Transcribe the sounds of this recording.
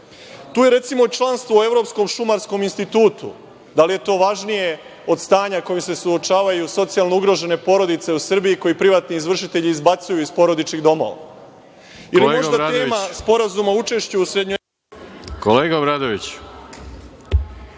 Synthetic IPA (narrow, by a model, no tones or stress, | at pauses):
t̪uːje̞ɾe̞t̪simo̞t͡ʃlˠanst̪ʋoe̞vɾo̞psko̞mʃumaɾsko̞minst̪it̪uːt̪ṵ | d̪alije̞t̪o̞ːʋaʒnije̞ | o̞d̪st̪aːɲako̞jimse̞suo̞t͡ʃaːʋajuso̞t̪sialˠnouɡɾo̞ʒe̞ne̞po̞ɾo̞d̪it̪se̞usr̩biiko̞jipɾiʋaːt̪niizʋr̩ʃit̪e̞ʎiːzbat̪sujuispo̞ɾo̞d̪it͡ʃiɣd̪o̞mo̞̰ʋa̰ | jilimoʒdatd̪e̞ːmaspo̞ɾazumaut͡ʃe̞ʃt͡ɕeusɾed̪ɲo | koleːɡabɾad̪oʋit͡ɕ